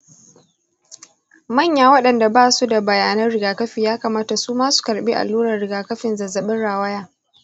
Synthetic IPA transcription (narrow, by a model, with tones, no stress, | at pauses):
mɐ˦˨ɲjaː˨wɐ˦ɗɐ˨nda˨baː˦˨su˦da˨bɐ˨jaː˨nɐ˦nɽɪ˨ɡaː˨kɐ˦ɸiː˨jaː˦kɐ˨maː˦ta˨suː˦maː˦su̥˨kɐ˨ɾɓiː˦ʔa̰˨lːuː˦ɾɐ˨rɽɪ˨ɡaː˨kɐ˦ɸɪ˨nzɐ˨zɐ˨ɓɪ˦nɽaː˨wɐ˦jaː˨